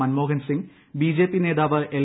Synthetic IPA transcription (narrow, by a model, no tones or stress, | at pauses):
ɐnmoːɡɐnsiŋ | biːd͡ʑe̞ːpːine̞ːðaːʋɨʔel